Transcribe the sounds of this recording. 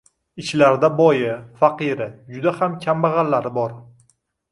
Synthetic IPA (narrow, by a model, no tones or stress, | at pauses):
ɪʃlaɾd̪abɒjɪfaqɨɾɪd͡ʒʊd̪ahamkʲʰambaʁɑlːaɾɪbɒɾ